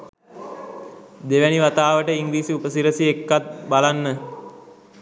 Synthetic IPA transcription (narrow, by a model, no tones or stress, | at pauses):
d̪eʋæniʋat̪aːʋəʈəiŋɡliːsiupəsiɾəsiekːat̪̚balanːə